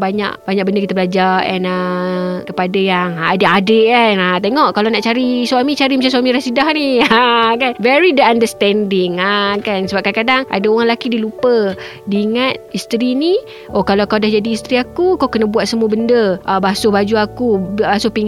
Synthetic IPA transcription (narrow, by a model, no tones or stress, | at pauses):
baɲa̰ʔbaɲaʔk̚bəndəkit̪əblad͡ʒarɛ̰nakəpadajaŋadəadəʔanat̪eŋɔʔkalawnaʔt͡ʃaɾiswamit͡ʃaɾimat͡ʃãs̬uwamĩɾasidahniakanvɛɾidəandəst̪ɛndɪŋakansəbap̚kankadaŋʔa̰daoɣaŋlakidilupə | diːŋat̪̚ist̪ɾini | ʔokalakawdahd͡ʒadiːst̪ɾiakukawkənabuat̪̚səmuəbəndəʔabasobad͡ʒuakubasopiŋ